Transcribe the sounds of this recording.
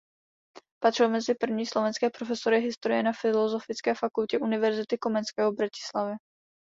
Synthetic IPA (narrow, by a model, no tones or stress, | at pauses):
pat̪r̥ɪlmɛzɪpr̩vɲiːslo̞vɛnskɛːpɾofɛso̞ɾɪɦɪst̪oɾɪjɛnafɪlozo̞fɪt͡skɛːfakulcɛʔunɪvɛɾzɪt̪ɪko̞mɛnskɛːɦobɾacɪ̥slavɛ